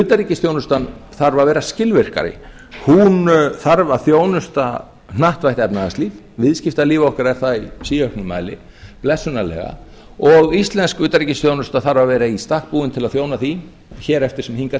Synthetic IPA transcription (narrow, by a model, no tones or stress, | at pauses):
ʏːt̪aɾiːcɪsθjownʏst̪anθaɾvavɛːɾascɪlvɪr̥ka̰ɾɪ̰ | hunθaɾvaθjoːwnʏst̪a | naht̪vajht̪ɛpnaðast̪liːv | vɪðscɪft̪aliːvɔhkaɾɛɾ̥θaisiːœhknʏma̰ːjlɪ̰ | plɛsːʏnalɛ̰ːɣa̰ | ɔɣist̪lɛnskʏːt̪aɾiːcɪst̪joːwnʏst̪aθaɾvavɛːɾaist̪ahk̚puːɪnt̪ʰɪlaðθjoːwnaθi | çɛːɾɛft̪ɪɾ̥sɛmhiŋka